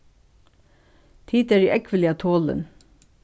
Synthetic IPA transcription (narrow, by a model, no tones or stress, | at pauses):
t̪ʰiːt̪æːɾiːʔɛkʰʋəlɪɑt̪ʰoːlə̰n